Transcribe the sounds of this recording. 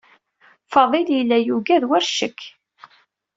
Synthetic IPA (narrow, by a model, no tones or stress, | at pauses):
fɑðˤiljilːæjuɡæðwæɾʃəkː